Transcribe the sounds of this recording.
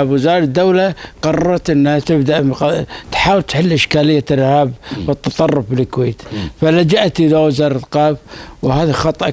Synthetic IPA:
bwɪzɑːɾˤɪd̪ːawlaqɑrˤːɑɾˤɑt̪ʔɪnːhat̪ɪbd̪aʔqt̪ħaːwɪlt̪ħɪlːʔɪʃkaːlɪjːaɪɾhaːbwɪt̪ːɑt̪ˤɑrˤːʊfbɪlɪkweːt̪falad͡ʒaʔt̪ʔɪðawɪzɑːɾˤlqɑːbwhaːðaxɑt̪ˤʔ

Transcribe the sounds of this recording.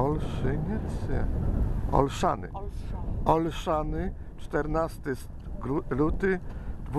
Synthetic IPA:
ɔlʂɘɲɛt̪sjɛ̰ | ɔ̰lʂa̰nɪ̰ | ɔlʂanɘ | t͡ʂt̪ɛɾnast̪ɘs | ɾut̪ɘd̪vu

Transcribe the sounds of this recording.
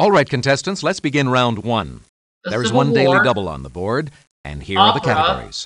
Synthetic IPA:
ɔlˠɹaɪt̚kʰɨ̃n̩tʰɛstɨ̃nslɛtsb̥ɨɡɪ̃nɹãʊ̃nd̚wʌ̃n | ðə˞ɨzwʌ̃ndeɪlˠidʌbl̩ˠə̰̃nðəbɔɹd | ʔɨ̰̃nhiɹə˞ðɨkʰæɾəɡɔ̰ɹˠḭz̥

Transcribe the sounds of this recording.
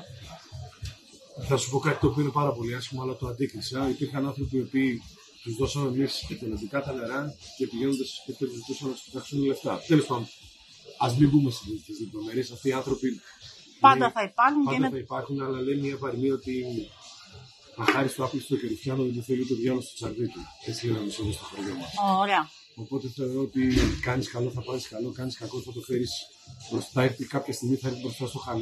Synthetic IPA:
θɐsu̥po̞kɐt̪i̥t̪op̬uine̞pɐɾɐpo̞liɐsçimoɐlɐt̪oɐnd̪ikɾisɐipiɾçɐnɐnθɾo̞pio̞piː | t̪uzðo̞sɐme̞mistet̪enɐd̪ikɐt̪ɐneɾɐce̞piʝe̞no̞nd̪ɐsspet̪ʰet̪uzit̪usɐnːɐt̪u̥sit̪ɐksunle̞ft̪ɐθelispon | ɐzmimbumest̪iit̪t̪izðept̪omeɾiesɐft̪iːɐnθɾopi | ɐnd̪ɐθɐipɐɾxuɲpɐd̪θɐipɐɾxunɐlɐlejmɲɐevɐɾmio̞t̪i | θɐxɐɾist̪oɐplisi̥t̪oceɾifçɐnoit̪uθelit̪oðʝɐlost̪ot͡sɐɾðit̪ue̞t͡sielɐnisomost̪oxoɾʝomɐsoɾeɐ | o̞po̞t̪e̞θe̞o̞ɾo̞ot̪ikɐniskɐlo̞θɐpɐziskɐlo̞kɐniskɐko̞t̪θɐt̪okfe̞ɾis | pɾo̞st̪ɐeɾθikɐpçɐst̪iɣmiθɐeɾθibɾo̞st̪ɐst̪o̞xɐl

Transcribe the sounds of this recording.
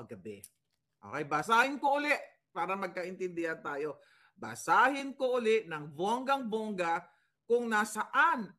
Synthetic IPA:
ɐɡɐbɛ | ʔo̰kɛjbasaːhɪnkoʔʊlɛʔ | paːɾɐmɐɡ̚kɐʔɪnt̪ɪnd̪ɪhant̪aːjo̞ | ba̰saːhɪnkoʔʊlɪʔnɐŋboŋɡaŋboŋɡa | kʊŋnasɐʔan

